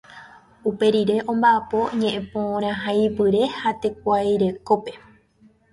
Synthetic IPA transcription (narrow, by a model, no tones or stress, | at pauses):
upe̞ɾiɾe̞ʔõ̞mbaʔapo̞ɲẽ̞ʔẽpõɾ̃ãɦajpɨɾe̞hat̪e̞k̚ʷajɾe̞ko̞pe̞